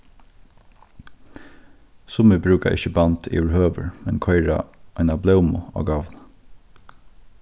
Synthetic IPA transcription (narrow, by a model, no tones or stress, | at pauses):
sʊmɪbɾʉːka̰ʔɪ̰çəbant̪ʰḭːʋɪɹhøːʋə̰ɹmɛnkʰɔɪɹa̰aɪnablɛwmʊ̰ɔ̰ːɡaʋn